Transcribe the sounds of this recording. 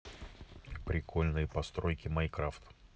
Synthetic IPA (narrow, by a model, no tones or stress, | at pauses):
pɾʲɪkʰolʲnɨjpɐst̪ɾojkʲɪmɐjkɾaft̪